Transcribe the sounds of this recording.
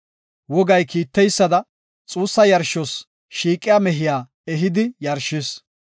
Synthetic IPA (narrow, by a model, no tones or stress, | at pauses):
wɔɡɐjkiːt̪ːɛjsːɐd̪ɐ | t͡sʼuːsːɐjɐɾʃɔs | ʃiːkʼːɪjamɛɦɪjaː | ɛɦɪd̪ɪjɐɾʃɪs